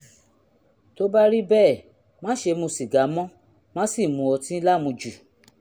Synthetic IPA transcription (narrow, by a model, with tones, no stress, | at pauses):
to˦ba˦ɾi˦bɛː˦˨ | mã˦ʃe˧mũ˧si˨ɡa˨˦mɔ̃˦ | mã˦si˦˨mũ˧˦ɔ˧tĩ˦la˦˨mũ˧d͡ʒu˨